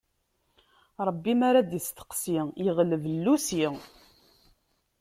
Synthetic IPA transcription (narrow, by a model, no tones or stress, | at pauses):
ɾˤəbːimaɾad̪jəst̪ə̥qsijiʁləvəlːusi